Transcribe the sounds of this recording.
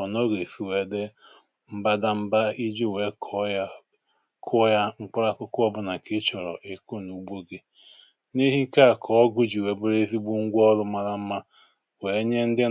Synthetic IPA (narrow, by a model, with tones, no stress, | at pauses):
ɔ˨nɔ˦ɡe˨si˨we˨de˦ | m̩˦ba˦da˦m̩˦ba˦i˦d͡ʒi˦˨we˨˦kʰɔ˨˦ja˦ | kʰʊ˦ja˦ŋ͡m̩˦k͡pʊ˦ɾa˦kʊ˦kʊ˦ɔ˦bʊ˦na˨kɪ˦t͡ʃɔ˨ɾɔ̰˨ʔe˨kʊ˦˨nu˨bʷo˦ɡe˦ | ni˦ɦi˦ka˦˨kʰɔ˨˦ɔ˦ɡʊ˦d͡ʒi˨we˨bʊ˦ɾe˦zi˦ɡ͡bu˦ŋ̩˦ɡʷɔ˦ɾʊ˦ma˦ɾa˦m̩˦ma˦ | we˨˦ɲe˦n̩˦dɪ˦